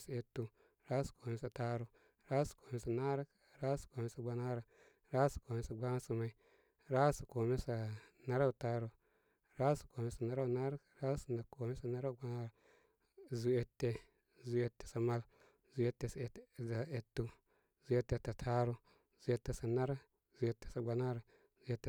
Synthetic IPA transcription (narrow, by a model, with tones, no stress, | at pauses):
sa˨e˨tːu˦ | ɾa˦su̥˨ko˨me˦sa˨ta˦ɾo˨ | ɾa˦sḁ˨ko˨me˦sa˨na˦ɾa˦k | ɾa˦sḁ˨ko˨me˦sa˨ɡ͡ba˦na˦ɾa˨ | ɾa˦sḁ˨ko˨me˦sa˨ɡ͡ba˦ŋa˦si˨ma˨i˨ | ɾa˦sḁ˨ko˨me˦sa˨na˦ɾa˦wu˨ta˦ɾo˨ | ɾa˦sa˨ko˨me˦sa˨na˦ɾa˦u˨na˦ɾa˦kɾa˦su˨na˨ko˨me˦sa˨na˦ɾa˦u˨ɡ͡ba˦na˦ɾa˨ | zu˨e˨tːe˦ | zu˨e˦tːe̥˨sa˨ma˦l | zu˨˦e˦tːe˦˨sza˨e˨tːu˦ | zu˦e˦tːe˨ta˨tʰa˦ɾo˦ | zu˨e˦tːe˨sa˨na˦ɾa˦ | zu˨e˨tːe̥˨sa˨ɡ͡ba˨na˦ɾa˨ | zu˨e˦tːe˦˨